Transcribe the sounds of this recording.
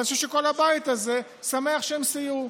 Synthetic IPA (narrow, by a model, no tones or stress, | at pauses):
niʃuʃeko̞lhabait̪aze̞ | same̞aχʃeemsiju